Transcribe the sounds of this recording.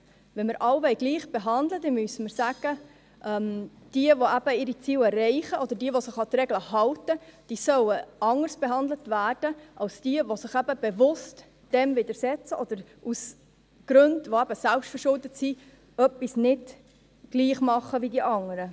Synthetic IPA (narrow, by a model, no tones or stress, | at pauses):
ʋɛnməɾʔɑwʋɛɪɡliːχb̥eɦɑnd̪ləd̥ɛmysəməɾsæɡ̥ə | ʔɛm | d̥iəʋoæb̥əɪɾit͡siːlɛrːɛɪχəʔɔd̥̪əɾdiəʋosɪχɑt̪ɾɛɡləɦɑltəd̥iːsœwəɑŋːəɾsb̥eɦɑnd̪lətvæːrd̥əʔɑlsd̥iəʋosɪχæb̥əb̥evʊst | d̥ɛmvɪdəɾsɛt͡səʔɔd̥̪əɾʔus | ɡ̥ɾɵndʋoæb̥əsælpʃtfəɾʃʊldətsi | œpːisnɪd | ɡ̥liːχmɑχəʋidiʔɑŋəɾə